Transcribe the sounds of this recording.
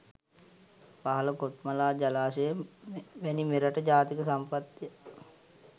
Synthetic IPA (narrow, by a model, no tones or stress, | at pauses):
paɦələkot̪malaːd͡ʒalaːʃəjəʋænimeɾaʈəd͡ʒaːt̪ikəsampat̪ːiə